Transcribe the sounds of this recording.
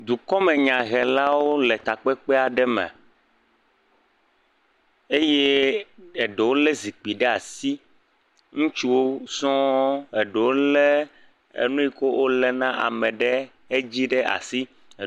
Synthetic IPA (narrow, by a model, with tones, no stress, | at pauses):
d̪u˨kɔ˦mɛ˨ɲã˨ɣɛ˨la˦wo˦lɛ˨t̪a˨k͡pɛ˦k͡pɛ˦a˨ɖɛ˦mɛ̰̃˨ | e˦je˦ | e˨ɖe˨wo˦le˦zi˨k͡pi˨ɖɛ˦a˨si˦ | ŋũ˦t͡ʃu˦wo˦sɔ̃˦e˨ɖe˨wo˦lɛ˦ | ḛ˨nũ˦i˦ko˦wʔo˦lɛ˦nã˦ʔa̰˨mɛ̃˨ɖɛ˦ | e˦d͡ʑi˦ɖɛ˦ʔa̰˨si˦˨